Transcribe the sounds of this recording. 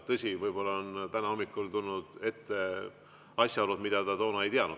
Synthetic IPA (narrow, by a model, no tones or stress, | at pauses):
t̪ɤsʲivɤjbo̞lːɑont̪ænɑo̞mːikːˑult̪ulnud̪̥e̞t̪ːe̞ | ɑsʲjɑɑɾut̪mid̪̥ɑt̪ɑt̪o̞ːnɑe̞jt̪eɑnu̥